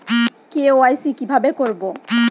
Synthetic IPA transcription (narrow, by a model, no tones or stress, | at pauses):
keoajsikibʱabekoɹbɔ